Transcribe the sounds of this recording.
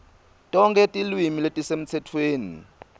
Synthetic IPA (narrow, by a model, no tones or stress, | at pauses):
tʼɔŋkʰʼɛtʼilwimiletʼisem̩t͡sʰɛtʰweːnḭ